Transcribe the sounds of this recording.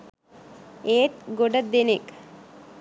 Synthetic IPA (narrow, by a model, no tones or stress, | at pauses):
eːʈ̪̚ɡoɖɐd̪enek